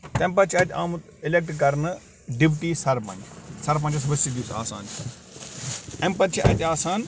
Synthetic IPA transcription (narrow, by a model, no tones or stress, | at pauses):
t̪ɛ̃mpɐt͡ʃʰɐt̪ʲaːm | ɪlek̚ʈk̬ɐɾnɨ | ɖɪpʈiːsɐɾpɐ̰̃nʲt͡ʃsɐɾp̬ɐ̃nt͡ʃɐsʋəsid̪iːsa̰ːsa̰ːnt͡ʃʰi | ɛ̃mpɐt͡ʃʰiʔɐt̪ʲaːsaːn